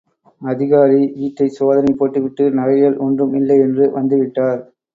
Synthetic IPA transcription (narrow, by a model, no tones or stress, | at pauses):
ɐðɪɣaːɾiʋiːʈːɐɪsoːðɐnɐɪpːoːʈːɯʋɪʈːɯnɐɻɐɪɣɐɭʔɔndrɯmɪlːɐɪɛndrɯʋɐnd̪ɯʋɪʈːaːɾ